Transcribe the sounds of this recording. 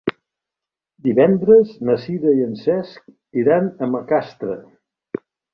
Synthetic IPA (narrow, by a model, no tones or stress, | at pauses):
d̪iβɛnd̪ɾəznəsiðəiənsɛsk̚ | iɾanəməkast̪ɾə̰